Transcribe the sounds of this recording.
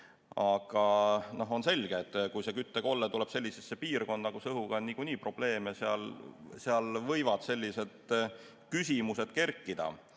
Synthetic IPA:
ɑɡ̥ɑno̞ɦo̞nse̞lʲɡ̥eːt̪ːˑkujse̞kyt̪ˑːeɡo̞lːet̪uleb̥se̞lʲːisesːe̞piːrko̞nd̪̥ɑkusɤɦuɡ̥ɑonnikuniːpro̞b̥le̞ːmeseɑlseɑlvɤ̞jvɑd̪̥selʲːise̞d̪̥ | kysʲimuse̞d̪̥ke̞rkˑːid̪̥ɑ̰

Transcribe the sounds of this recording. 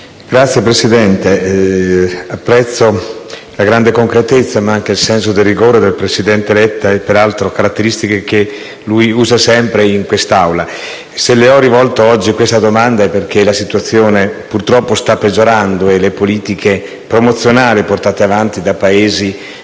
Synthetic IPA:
ɡ̥ɾat̪sjepɾesid̪ɛnt̪e | apːɾɛt̪sːo | laɡɾand̪ekoŋkɾet̪et̪sːamaaŋk̟eilsɛns̬od̪erːiɡoːɾed̪elpɾesid̪ɛnt̪eːlɛt̪ːaɛpːeɾalt̪ɾokaɾat̪ːeɾist̪ikek̟e | lujuːzasɛmpɾeiŋkwest̪awla | seleɔrivɔlt̪oɔd͡ʒːikwest̪ad̪omand̪aɛperk̟elasit̪uat̪sːjoːnepurt̪ɾɔpːost̪apːed͡ʒːoɾand̪oelepoliːt̪ikʰe | pɾomot̪sːjonaːliport̪aːt̪eavant̪id̪apaeːzi

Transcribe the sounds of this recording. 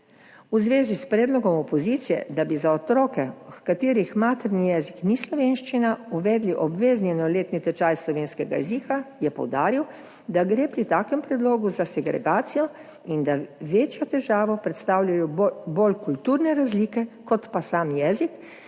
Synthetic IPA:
uzʋeːzispɾɛːd̪lɔɡɔmɔpɔziːt̪sijɛ̰d̪abizaɔt̪ɾɔːkɛkat̪iːɾixmaːt̪ɛɾnijɛːziknislɔʋeːnʃt͡ʃinauʋɛːd̪liʔɔbʋeːzniɛnɔleːt̪nit̪ɛt͡ʃaːjslɔʋeːnskɛɡa̰jɛ̰ziːkajɛpɔ̰wd̪aːɾiw | d̪aɡɾeːpɾit̪aːkɛmpɾɛd̪loːɡuzasɛɡɾɛ̰ɡaːt̪sijɔ | ind̪aʋeːt͡ʃjɔt̪ɛʒaːʋɔpɾɛt̪st̪aːwlʲajɔbolkult̪uɾnɛɾazliːkɛkɔt̪pasaːmjɛːzik

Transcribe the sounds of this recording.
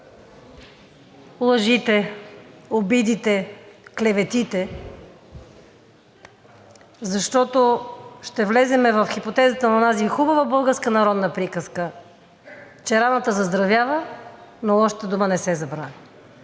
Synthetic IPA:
lˠɐʒit̪ɛ | obid̪it̪ɛklɛvɛt̪it̪ɛ | zɐʃt̪ɔt̪oʃt̪ɛvlɛzɛmɛvɐfxipot̪ɛzət̪ənɐnazixubɐvəbɤlˠɡəɾskənɐɾɔd̪nəpɾikəskə | t͡ʃɛɾanət̪əzɐzd̪ɾɐvjavənoɔʃt̪əd̪umənɛsɛzɐbɾa

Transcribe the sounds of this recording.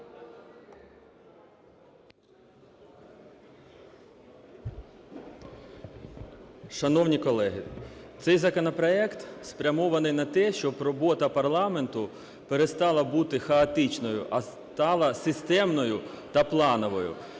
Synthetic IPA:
ʃɐnɔwnʲikɔlˠɛɦɪt̪sɛjzɐkɔnɔpɾɔɛkt̪spɾʲɐmɔʋɐnɪjnɐt̪ɛʃt͡ʃɔbrɔbɔt̪ɐpɐrlˠɑme̞nt̪ʊ | peɾest̪ɑlˠɐbut̪ɪxɐɐt̪ɪt͡ʃnɔjʊ̰ʔɐ | t̪ɑlˠɐsɪst̪ɛmnɔjʊ | t̪ɐplˠɑnɔʋɔjʊ̰

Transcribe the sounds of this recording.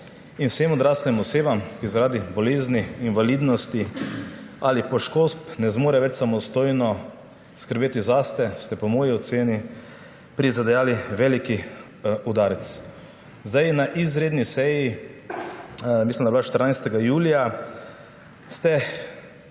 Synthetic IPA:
inwsemɔd̪ɾaslɛmɔseːbamkizaɾaːd̪ibɔleːzniːnʋalid̪nɔst̪i | alipɔʃkospnɛzmoːɾɛʋɛt͡ʃsamɔst̪oːjnɔ | skəɾbeːt̪izast̪ɛst̪ɛpɔmɔːjiɔt̪seːni | pɾizad̪ɛjaːliʋɛliki | ud̪aːɾɛt̪s | zd̪ajnaʔizɾeːd̪nisɛji | mislimd̪abilaʃt̪əɾnajst̪ɛɡajuːlija | st̪ɛ

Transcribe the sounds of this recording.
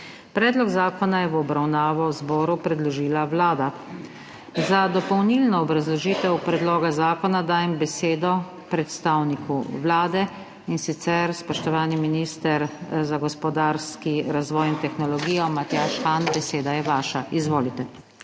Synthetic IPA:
pɾɛːd̪lɔɡzaːkɔnajɛʋɔbɾawnaːʋɔwzbɔːɾupɾɛd̪lɔʒiːlaʋlaːd̪a | zad̪ɔpɔwnilnɔɔbɾazlɔʒiːt̪ɛwpɾɛd̪loːɡazaːkɔnad̪aːjɛmbɛseːd̪ɔ | pɾɛt̪st̪awnikʰṵʋlaːd̪ɛ | insit̪sɛɾspɔʃt̪ɔʋaːniminist̪ɛɾzaɡɔspɔd̪aɾskiɾazʋɔːjint̪ɛxnɔlɔɡiːjɔmat̪jaːʃxaːnbɛseːd̪ajɛʋaːʃaizʋoːlit̪ɛ

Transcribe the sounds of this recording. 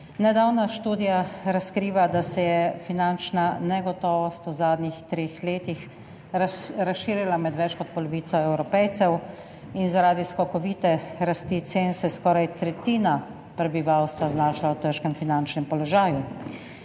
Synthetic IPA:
nɛd̪awnaʃt̪uːd̪ijaɾaskɾiːʋad̪asɛjɛfinant͡ʃnanɛɡɔt̪ɔːʋɔst̪uzaːd̪nixt̪ɾeːxleːt̪ix | ɾasʃiːɾilamɛd̪ʋɛt͡ʃkɔt̪̚pɔlɔʋiːt̪sɔɛwɾɔpɛjt̪sɛw | inzaɾaːd̪iskɔkɔʋiːt̪ɛɾast̪iːt̪seːnsɛskɔːɾajt̪ɾɛt̪iːna | pɾɛbiʋawst̪ʋaznaːʃaawt̪əɾʃkɛmfinant͡ʃnɛmpɔlɔʒaːju

